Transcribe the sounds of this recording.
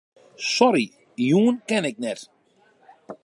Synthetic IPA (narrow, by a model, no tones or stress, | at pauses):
sɔɾi | juːnkɛnɛk̚nɛɾ